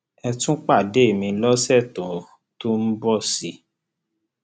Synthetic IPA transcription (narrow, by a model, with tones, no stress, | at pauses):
ɛ˧tũ˦k͡pa˦˨de˦˨mĩ˧˦lɔ˦sɛ˦˨tɔ̃˨ | to˦m̩˦bɔ˦˨si˧